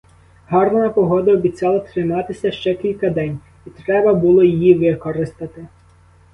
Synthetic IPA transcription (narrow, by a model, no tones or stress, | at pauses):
ɦɑrnɐnɐpɔɦɔd̪ɐɔbʲit͡sʲɑlˠɐt̪ɾɪmɑt̪ɪsʲɐʃt͡ʃɛkʲilʲkɐd̪ɛnʲ | it̪ɾɛbɐbʊlˠɔjijiʋɪkɔɾɪst̪ɐt̪ɪ